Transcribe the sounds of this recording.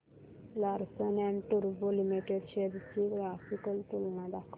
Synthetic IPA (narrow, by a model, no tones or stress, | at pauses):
laɾsənɛɳʈuɾbolimiʈeɖɕeɾt͡ɕiɡɾafikəlt̪ulnad̪akʰ